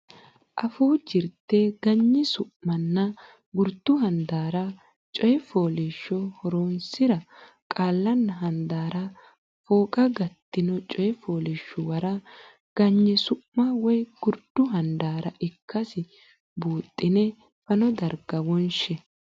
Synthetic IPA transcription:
ʔɐfuːd͡ʒɪɾt̪ːeːɡ̥ɐɲːɪsʊʔmɐnːɐ | ɡʊɾd̪ʊhɐnd̪aːɾɐ | t͡ʃʼɔjɛfoːleʃːɔhɔɾoːnsɪɾɐ | kʼaːlːɐnːɐɦɐnd̪aːɾɐ | foːkʼɐɡɐt̪ːɪnɔt͡ʃʼɔjɛfoːlɪʃːʊwɐɾɐ | ɡ̥ɐɲːɪsʊʔːɐwɔjɡ̥ʊɾd̪̥ʊɦɐnd̪aːɾɐʔɪkʰːɐsɪ | buːt̪ʼːɪnɛ | fɐnɔd̪ɐɾɡɐwɔnʃɛ

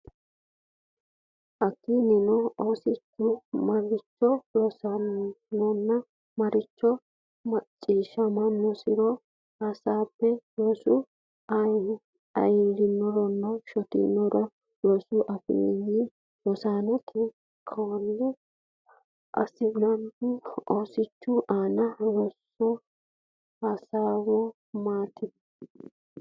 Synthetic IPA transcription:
ʔɐkːinɪnɔoːsɪt͡ʃːʊmɐɾɪt͡ʃːɔdɔsɐnːɔnːɐ | mɐɾɪt͡ʃːɔ | mɐt͡ʃʼːiːʃɐmɐnːɔsɪɾɔ | ɐsaːpːɛjoːsʊ | ɐj | ɐ̰jɪɾɪnːɔɾɔnːɐʃɔt̪ɪ̰nːɔɾɔ | joːsʊʔɐfɪ̰ji | jɔsaːnɛt̪ʰɪ | kʰɐwɔlːɛ | ʔɐ̰sɪlɐmbɪɔsɪt͡ʃːʊʔaːnɐlɔsːɔ | hasaːwɔ | maːt̪ɪd̪

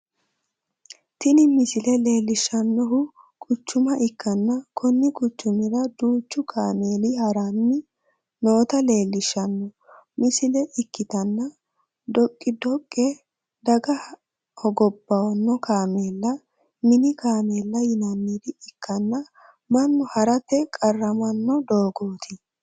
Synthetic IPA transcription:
t̪ɪnɪmɪsɪlɛle̞ːlːɪʃɐnːɔɦʊ | kʼʊt͡ʃːʊmɐʔɪkːɐnːɐkʰɔnːɪkʼʊt͡ʃːʊmɪɾɐd̪uːt͡ʃːʊkʰaːme̞ːlɪhɐɾanːɪ | no̞ːt̪ɐle̞ːlːɪʃːɐnːɔ | mɪsɪlɛʔɪkːɪt̪ɐnːɐ | d̪ɔkʼːɪd̪ɔkʼːɛ | d̪ɐɡɐ | hɔɡɔbːɐwɐnːɔkaːme̞ːlːɐ | mɪnɪkaːmeːlːɐjɪnɐnːiːd̪ɪɪkːɐnːɐ | mɐnːɔhɐɾɐt̪ːɛkʼɐrːɐmɐnːɔd̪o̞ːɡoːt̪ʰɪ

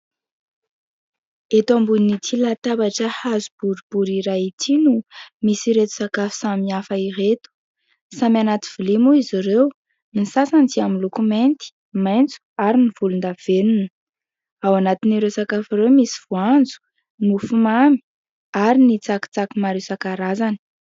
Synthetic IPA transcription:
et̪ambuninit͡silat̪abaʈ͡ʂəhazub̥uɾib̥uɾiɾajit̪ʰinumisiɾet̪u̥sakafu̥samiafəiret̪u̥ | samianat̪i̥v̥ilimuizirew | nisasand͡ziaminlokument̪i̥ | majnt͡su̥aɾiniv̥ulund̪av̥enunə̥ | awanat̪iniɾewsakafiɾewmisiv̥uand͡zu̥ | mufumami̥ | aɾinit͡saki̥t͡sakimaɾewsakaɾazani̥

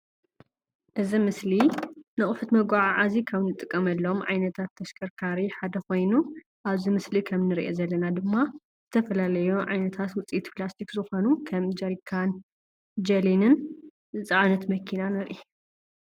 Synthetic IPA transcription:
ʔɨzimɨslinɨχʼħut̪mɐɡʷaʕaʕazikʰaβnɨt̪ʼɨkʼːɐmɐlːomʕa̰jnɐt̪ʰat̪ʰːɐʃkʰʼɐɾkʰaɾiħad̪ɐxo̞jnu | ʔaβzimɨslikʰɐmnɨɾiʔezɐlːɐnad̪ɨmːa | z̥ɨt̪ʰɐfɐlalɐjuʕa̰jnɐt̪ʰat̪wʊt͡sʼiʔit̪plast̪ʰikzɨxo̞nukʰɐmd͡ʒɐɾikʰan | d͡ʒɐlinɨn | zɨt͡sʼaʕnɐt̪mɐkʰinanɨɾʔi

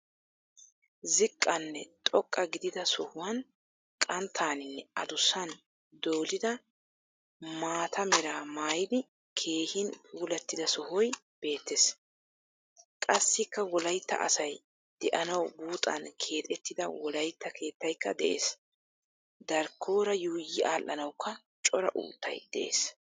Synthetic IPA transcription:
zɪkʼːɐnːɛt̪ʼɔkʼːɐɡɪd̪ɪd̪ɐsɔhʊwɐn | kʼɐnt̪ʰːaːnɪnːɛɐd̪ʊsɐn | d̪oːlɪd̪ɐ | maːt̪ʰɐmɛɾaːmaːjɪd̪ɪ | kʰe̞ːhɪnpʼuːlɐt̪ːɪd̪ɐsɔhɔj | b̥e̞ːt̪ːes | kʼɐsːɪkːɐwɔlɐjt̪ːɐ̰ʔɐ̰sɐj | d̪̥ɛʔɐnɐwbuːt̪ʼːɐ̰nkʰe̞ːt̪ʼɛt̪ːɪd̪ɐwɔlɐjt̪ːɐkʰe̞ːt̪ːɐjkːɐd̪ɛʔe̞̰ːs | d̪ɐɾkʰːo̞ːɾɐjuːjɪaːlʔːɐnɐwkːɐ | t͡ʃʼɔɾɐ̰ʔṵːt̪ːɐ̰jd̪̥ɛʔḛːs

